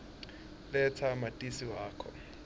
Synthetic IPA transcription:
lɛt͡sʰamatʼisiwaːkʰɔ

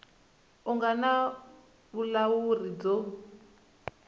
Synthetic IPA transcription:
uŋɡana | βulawurid͡zo

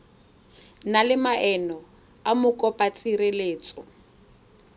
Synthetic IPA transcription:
nalɪmaʔɛnɔ | amʊkʼɔpʼat͡sʼireleːt͡sʼɔ

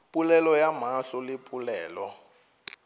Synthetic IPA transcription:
pʼulɛlɔjam̤aɬɔlɪpʼulɛːlɔ

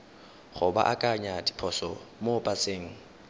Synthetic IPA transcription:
χʊba̰ʔakʼaɲadi̥pʰɔsɔmopʼat͡seːŋ̩

